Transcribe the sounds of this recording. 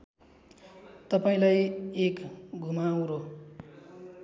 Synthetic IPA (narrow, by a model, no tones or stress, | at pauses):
t̪ʌpaĩlajekɡʱumaw̃ɾo